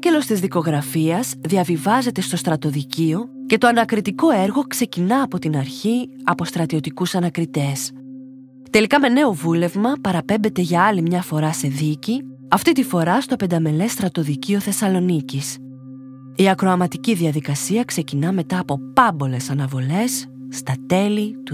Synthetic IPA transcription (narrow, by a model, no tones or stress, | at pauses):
ɟe̞lo̞st̪izðiko̞ɣɾɐfiɐzðiɐvivɐze̞t̪e̞st̪o̞st̪ɾɐt̪o̞ðicio̞ce̞t̪o̞ɐnɐkɾit̪iko̞e̞ɾɣo̞kse̞cinɐːpo̞t̪inɐɾçiɐpo̞st̪ɾɐt̪io̞t̪ikusɐnɐkɾit̪e̞s | t̪e̞likɐme̞ne̞o̞vule̞vmɐpɐɾɐpe̞mbe̞t̪e̞ʝɐɐlimɲɐfo̞ɾɐse̞ðici | ɐft̪it̪ifo̞ɾɐst̪o̞pe̞nd̪ɐme̞le̞st̪ɾɐt̪o̞ðicio̞θe̞sɐlo̞nicis | iɐkɾo̞ɐmɐt̪iciðiɐðikɐsiɐkse̞cinɐme̞t̪ɐːpo̞pɐbo̞le̞sɐnɐvo̞le̞sː | t̪ɐt̪e̞lit̪u